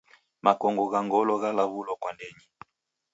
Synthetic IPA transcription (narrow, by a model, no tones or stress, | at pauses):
makɔŋɡɔɣaŋɡɔlɔɣalaβulɔkwandɛɲi